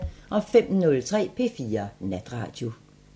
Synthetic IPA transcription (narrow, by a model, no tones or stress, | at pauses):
ʔɒ̽fem̰nɔ̽lt͡sʰʁɛ̰ːpʰe̝̰ːfiːɐnæd̥ʁɑ̰̈ːd̥jo̝